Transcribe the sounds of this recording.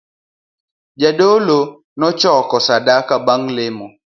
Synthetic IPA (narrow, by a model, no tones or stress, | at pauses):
d͡ʒaɗolo | nɔt͡ʃɔkɔsadakabaŋlɪmɔ